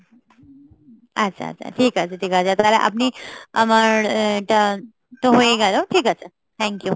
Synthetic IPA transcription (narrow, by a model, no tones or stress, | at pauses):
ətːsʰa̰ːtt͡sʰa̰ʈʰiːkat͡səʈʰiːkat͡sat̪ala̰ʔa̰pniməɽʈ̪ə | t̪oɦoeɡaloʈʰiːkat͡sə | t̪ʰɛ̃ŋkju